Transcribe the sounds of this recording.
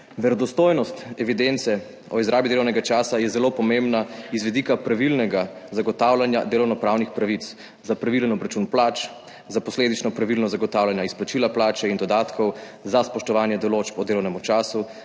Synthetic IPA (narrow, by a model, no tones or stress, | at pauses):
ʋɛɾɔd̪ɔst̪ojnɔst̪ɛʋid̪ent̪sɛ | ɔizɾaːbid̪elɔwnɛɡat͡ʃaːsajɛzɛloːpɔmembnaizʋɛd̪ikapɾaʋilnɛɡazaɡɔt̪aːwlanja̰d̪eːlɔwnɔpɾaːwnixpɾaʋit̪s | zapɾaʋilɛnɔbɾat͡ʃunplaːt͡ʃ | zapɔsleːd̪it͡ʃnɔpɾaʋilnɔzaɡɔt̪aːwlanjaisplat͡ʃilaplaːt͡ʃɛind̪ɔd̪aːt̪kɔw | zaspɔʃt̪ɔʋaːnjɛd̪ɔlot͡ʃpɔd̪eːlɔwnɛmut͡ʃaːsu